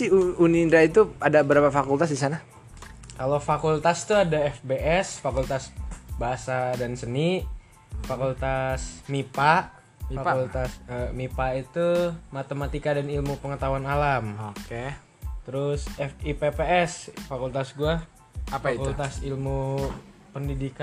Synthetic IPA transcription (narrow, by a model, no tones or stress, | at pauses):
siuunindait̪uadabəɾapafakult̪as̬disana | kalowfakult̪ast̪uadaɛfbeʔɛsfakult̪asbaɦasadansəni | fakult̪asmipaʔ | ult̪asəmipait̪umat̪əmat̪ikadanilmupəŋət̪awanalamoke | t̪əɾʊsɛfipepeɛsfakult̪asɡua | apaitkult̪asilmu | pəndidika